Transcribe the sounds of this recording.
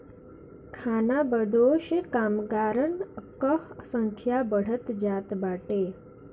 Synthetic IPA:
kʰanabəd̪oʃəkamɡaɾənkəɦsəŋkʰjabəɽ̤ət̪d͡ʒat̪baʈe

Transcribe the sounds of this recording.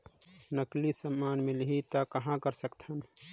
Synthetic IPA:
nəklisəmːaːnmelɦit̪akəɦãkəɾsəkt̪ʰən

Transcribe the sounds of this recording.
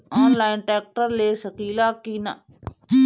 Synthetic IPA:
aːnlaːɪnʈɛːk̚ʈəɾleːsəkiːlaːkiːna̰

